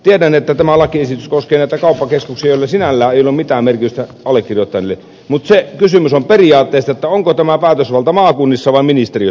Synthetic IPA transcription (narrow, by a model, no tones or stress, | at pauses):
t̪iedænet̪ːæt̪æmælɑkiesit̪yskoskˑeːnæˑit̪ækɑˑupːɑkeskuksijɑjoˑlːɑsinælːæːʔeˑijolːumit̪æːmmerkit̪yst̪æʔɑlːˑekːirjot̪ːɑnelːe | mut̪sekysymysomperijɑːt̪ːeˑːst̪ɑet̪ːæoŋkot̪æmæpæˑːt̪øsʋɑlt̪ɑmɑːkunːisːɑʋɑˑiminist̪eri